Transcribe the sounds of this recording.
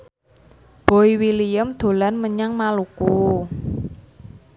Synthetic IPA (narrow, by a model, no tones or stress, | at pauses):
b̥o̤iwilijəmd̪̥o̤lanməɲaŋmaluku